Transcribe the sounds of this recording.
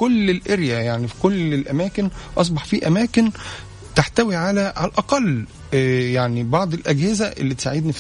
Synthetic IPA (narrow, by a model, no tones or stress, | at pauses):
kolːelʔeɾjæjaʕnifi̥kolelʔæmæːkenʔɑs̬ˤbɑħfiːʔæmæːkɪn | t̪aħt̪æwiʕalæʕalʔɑqɑlː | jaʕnibɑʕd̪ˤelʔæɡhɪzæʔḛlːit̪esaʕed̪nif